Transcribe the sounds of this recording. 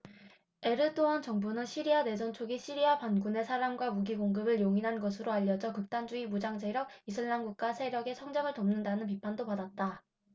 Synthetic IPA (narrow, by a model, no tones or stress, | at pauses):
e̞ɾɯd͈ʰoʌnt͡ɕʌŋbunɯnɕʰiɾiade̞d͡ʑʌnt͡ɕʰoɡiɕʰiɾiapanɡune̞sʰaɾamɡwamuɡiɡoŋɡɯbɯɭjoŋinɦanɡʌsʰɯɾoaʎːʌd͡ʑʌkɯk̚t͈and͡ʑuimud͡ʑaŋd͡ʑeɾjʌk̚isʰɯɭːamɡuk̚k͈asʰe̞ɾjʌɡe̞sʰʌŋd͡ʑʌŋɯɭtʌmnɯndanɯnp̬ipʰandopadat̚t͈a